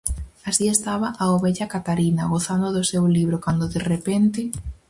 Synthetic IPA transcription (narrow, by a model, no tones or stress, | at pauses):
asiest̪aβɐʔaoβeʎɐkat̪aɾinɐɣoθand̪ʊðosewliβɾʊkand̪ʊðerepent̪ɪ